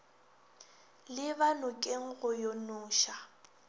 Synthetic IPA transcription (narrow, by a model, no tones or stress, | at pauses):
lɪbanʊkʼeŋ̩ɣʊjonʊːʃa